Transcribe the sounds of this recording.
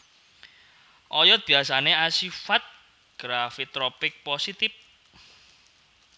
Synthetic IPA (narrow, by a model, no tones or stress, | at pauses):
ʔɔjɔt̪̚b̥iasaneasifat̪̚ | ɡ̥ɾafit̪ːɾɔpɪk̚posit̪ɪp̚